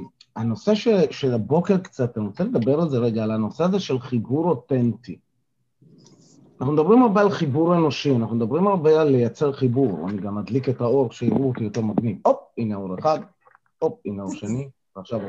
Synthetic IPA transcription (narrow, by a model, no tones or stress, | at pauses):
ano̞se̞ʃeʃelabo̞keʁkt͡sat̪aot͡sele̞d̪abeʁalze̞ʁeɡaːlano̞seazeʃe̞lχibuʁo̞tent̪i | anaχnumd̪abʁimaʁbealχibuʁe̞no̞ʃianaχnumed̪abʁimaʁbealːejat͡se̞ʁχibuʁa̰niɡamːad̪liketao̞ʁʃeiʁuot̪ijo̞te̞ʁmaɡnivop̚ineoʁeχad̪ | op̚ineoʁʃeni | veaχʃav